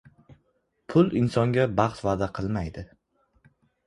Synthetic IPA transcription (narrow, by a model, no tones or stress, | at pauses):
pʰʊlˠɪnsɒŋɡʲabɑχt̪vaːd̪aqʰɨlˠmajd̪ɪ